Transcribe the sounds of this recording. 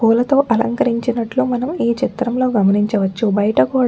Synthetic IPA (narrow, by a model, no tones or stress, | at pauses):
kuːlɐt̪o̞ːʔɐlɐ̰ŋkɐɾiɲt͡ʃinɐʈlumɐnɐmiːt͡ʃit̪ɾɐmlo̞ːɡɐmɐniɲt͡ʃɐʋɐt͡ʃːubɐjɐʈɐkuːɽ